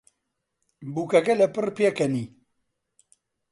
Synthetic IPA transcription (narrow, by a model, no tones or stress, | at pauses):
buːkɐkɛlɛpɨrpjekɐni